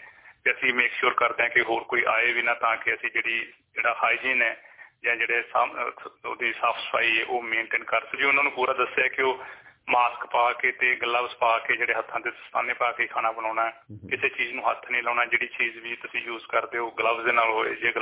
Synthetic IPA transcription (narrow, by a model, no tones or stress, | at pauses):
t̪eəsĩːmeːkʃʊːɾkəɾd̪eːãkɪɦoːɾkoːiːʔaːeːʋiːnaːt̪ãːkɪəsĩːd͡ʒeːɽiː | d͡ʒeːɽaːkʰaːiːd͡ʒiːnɛːd͡ʒãːd͡ʒeːɽeːs | d̪iːsaːpʰsə̥pʰaːiːɛːʔoːmẽːɳʈeːnkəɾsəd͡ʒeʊnãːnũːpuːɾaːd̪əsːeaɛkɪoːmaːskpaːkeːt̪eːɡələbspaːkeːd͡ʒeːɽeːɦət̪ʰːãːd̪eːst̪aːneːpaːkeiːkʰaːnaːbənãːnaːɛːkɪseːt͡ʃiːznũːɦət̪ʰnĩːləːnaːd͡ʒeːɽiːt͡ʃiːzʋiːt̪əsĩːjuːzkəɾd̪eːɦoːɡələbzd̪eːnaːlɦoːḛːd͡ʒeːɡ